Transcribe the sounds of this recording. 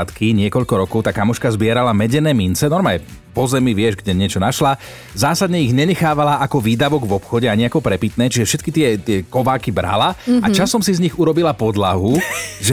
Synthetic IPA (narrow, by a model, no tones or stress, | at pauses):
t̪kiɲɪɛkɔʎkɔɾɔkɔʊt̪aːkamɔʃkazbɪɛɾalamɛɟɛnɛːmint͡sɛnɔɾmaɛ | pɔzɛmiʋɪɛʒɡɟɛɲɪɛt͡ʃɔnaʃla | zaːsad̪ɲɛiɣɲɛɲɛxaːʋalaʔakɔʋiːd̪aʋɔɡʋɔpxɔɟɛaɲiakɔpɾɛpit̪nɛːt͡ʃiʒɛfʃɛt̪kit̪ɪɛt̪ɪɛkɔʋaːkibɾa̰laa̰t͡ʃasɔmsizɲiɣuɾɔbilapɔd̪laɦuʒɛ